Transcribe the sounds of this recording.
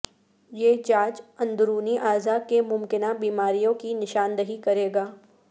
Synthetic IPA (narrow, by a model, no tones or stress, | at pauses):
jeːd͡ʒaːt͡ʃɐ̃nd̪ʊɾuːniʔaːzakemʊmkɪnabiːmaːɾijõkinɪʃaːnd̪əɦikɐɾeːɡaː